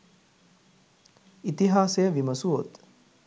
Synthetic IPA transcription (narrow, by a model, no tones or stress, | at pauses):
it̪iɦaːsejəʋiməsuot̪